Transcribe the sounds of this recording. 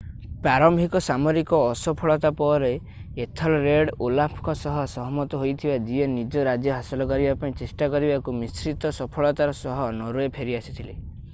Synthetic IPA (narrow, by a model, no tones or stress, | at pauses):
paɾɔmbʱikɔsamɔɾikɔːsɔpʰɔɭɔt̪apɔɾeː | t̪ʰɔlɔɾeɽolapʰɔ̥kɔsɔɦɔsɔɦɔmɔt̪ɔɦojt̪ʰibad͡ʒienid͡ʒɔɾad͡ʒjɔɦasɔlɔkɔɾibapaĩt͡ʃesʈakɔɾibakumisɾit̪ɔsɔpʰɔɭɔt̪aɾɔsɔɦɔnɔɾuepʰeɾiasit̪ʰile